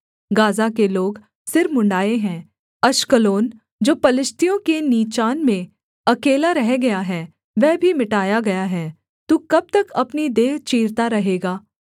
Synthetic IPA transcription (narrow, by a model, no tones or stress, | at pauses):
ɡaːzakeloːɡ | sɪɾmʊ̃ɳɖaːeɦɛ̃ː | ɐʃkəloːn | d͡ʒoːpɐlɪʃt̪ijõkeniːt͡ʃaːnmẽ | ɐkeːlaɾɐɦɡɐjaɦɛː | ʋɛːbʱimɪʈaːjaɡɐjaɦɛː | t̪uːkɐb̚t̪ɐkɐpnid̪eːt͡ʃiːɾt̪aɾɐɦeːɡaː